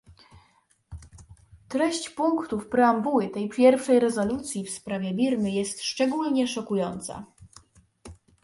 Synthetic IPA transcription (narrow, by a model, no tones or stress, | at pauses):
t̪ɾɛɕt͡ɕpuŋkt̪ufpɾɛambuwɘt̪ɛjpʲjɛɾfʂɛjɾɛzɔlut̪sʲjifspɾavʲjɛbʲiɾmɘjɛst̪ʂt͡ʂɛɡulɲɛʂɔkujɔnt̪sa̰